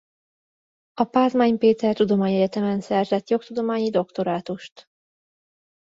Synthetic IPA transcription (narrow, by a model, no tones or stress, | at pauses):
ɒpaːzmaːɲpeːt̪ɛrt̪ud̪o̞maːɲɛɟɛt̪ɛmɛnsɛrzɛt̪jo̞kt̪ud̪o̞maːɲid̪o̞kt̪o̞ɾaːt̪uʃt̪